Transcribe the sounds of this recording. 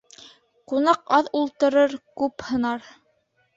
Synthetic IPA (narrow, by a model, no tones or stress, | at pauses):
qunɑqɑðulˠt̪ɤ̆ɾɤɾkʉphɤ̆nɑɾ